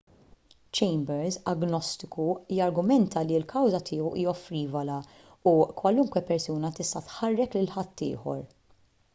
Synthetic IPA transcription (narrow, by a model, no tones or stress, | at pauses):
t͡ʃɛjmbɛɾzɐɡnɔst̪ɪkujɐɾɡʊmɛnt̪ʰɐlilkʰɐwzɐt̪ʰɪːɔwʔḭːjɔfɾiːvɐlɐ | ukwɐlʊŋkwɛpɛɾsuːnɐt̪ɪst̪ɐt̪ħɐrːɛklɪlħɐt̪ʰːɪ̰ːħɔ̰ɾ